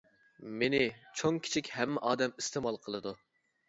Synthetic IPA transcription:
menɪt͡ʃʰoŋkʲʰi̥t͡ʃʰikʲhɛmːɛʔɑːd̪ɛmist̪eːmɑlˠqʰəlˠɨd̪u

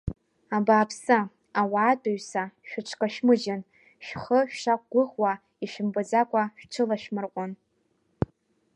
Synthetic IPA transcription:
abaːpʰsa | awaːtʰʼʊɥsaʃᶣʊʈ͡ʂʷʰkʼaʃmɨʒan | ʃᶣχəʃᶣʃak̚ʷʼɡʷʊʁwa | iʃᶣɪmbɨd͡zakʷʼaʃᶣʈ͡ʂʰɨlaʃᶣmɨrqʷʼʊn

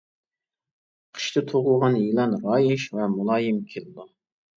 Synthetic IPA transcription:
qʰə̥ʃt̪ʰɨt̪ʰoʁʊʁɑnjilˠɑnɾɑːjɪʃvɛmulˠɑːjɨmkʲʰelɨd̪u

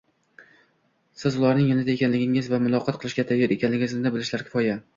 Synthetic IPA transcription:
sɪzʊlˠaɾnɪŋjanad̪aekʲanlɪɡʲɪŋɪzvamʊlˠɒqʰɒt̪̚qʰɨlˠɪʃkʲat̪ʰajːɒɾe̞kʲanlɪɡʲɪzɪnd̪abɪlɪʃlaɾkʲʰɪ̥fɒja

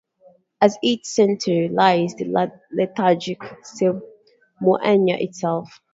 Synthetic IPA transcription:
əziˑt͡ʃsɛ̃ntʰəɹilaɪzðə | lɛtʰad͡ʒɪksɪ | mɔʔɛ̃njə̰ʔɪ̰tsɛlˠf

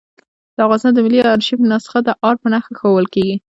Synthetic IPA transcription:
d̪̥əavɣɑnst̪ɑnd̪əmɪlːiɑɾʃipənɑsɪ̥qad̪əʔɑɾpənaxaxawəlkeɡi

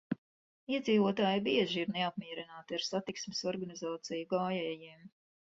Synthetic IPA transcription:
iɛd̪ziːvuɔt̪aːjbiɛʒiiɾneap̚miɛɾinaːt̪iaɾsat̪iksmɪsɔɾɡanizaːt̪sijuɡaːjɛːjiːm

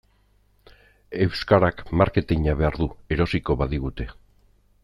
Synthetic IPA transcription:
e̞wskaɾakmaɾke̞t̪iɲaβe̞aɾðue̞ɾo̞siko̞βaðiɣ̞ut̪e̞

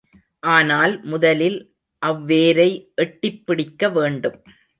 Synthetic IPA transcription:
ʔaːnaːlmʊðɐlɪl | ʔɐʋːeːɾɐɪʔɛʈːɪpːɪɽɪkːɐʋeːɳɖɯm

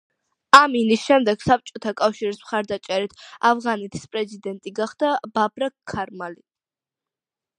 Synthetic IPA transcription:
aminisʃɛmd̪ɛɡ̥sap̚t͡ʃʼɔt̪ʰakʼafʃiɾismχaɾd̪at͡ʃʼɛɾit̪ʰavʁanɛt̪ʰi̥spʼɾɛzid̪ɛnt̪ʼiɡaχd̪ab̥abɾakʰːaɾmali

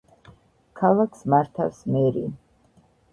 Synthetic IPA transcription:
kʰalˠakʰsmaɾt̪ʰafsmɛɾḭ

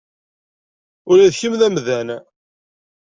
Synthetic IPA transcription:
ʊɾæðçəmðæmðæn

